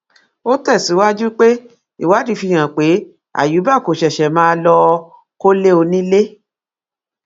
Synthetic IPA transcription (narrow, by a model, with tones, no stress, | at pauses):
o˦tɛ˦˨si˨˦wa˦d͡ʒu˦k͡pe˦ | i˦˨wa˨˦di˨˧fi˧˨j̃ã˨k͡pe˨˦ | a̰˦˨ju˨˦ba˦˨ko˨ʃɛ˨ʃɛ˨mãː˦˧lɔ˧ | ko˦le˦o˧nĩ˦le˦